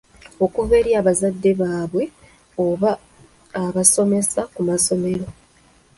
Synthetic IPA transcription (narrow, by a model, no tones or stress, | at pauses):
o̞kuve̞ɾjaːβazadːe̞βaːβwe̞ | oβaː | βaso̞me̞sakumaso̞me̞ɾo̞